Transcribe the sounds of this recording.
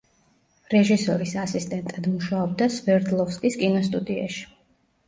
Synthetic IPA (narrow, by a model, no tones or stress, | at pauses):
ɾɛʒisɔɾisasist̪ʼɛnt̪ʼad̪muʃaɔb̚d̪asvɛɾd̪lˠɔfskʼiskʼinɔst̪ʼud̪ia̰ʃi̥